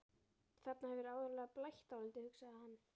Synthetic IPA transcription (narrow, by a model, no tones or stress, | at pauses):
θat̪nahɛvɪɾaːwðɔɾlɛːɣaplajht̪awlɪlt̪ɪhʏksaðahanː